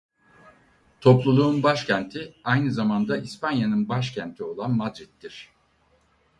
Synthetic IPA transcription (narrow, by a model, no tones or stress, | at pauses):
t̪ʰo̞plˠulˠuːnbaʃcʰɛnt̪ʰiajnɯzamand̪aʔispanjanɯnbaʃcʰænt̪ʰio̞lˠanmad̪ɾit̪ːiɾ̥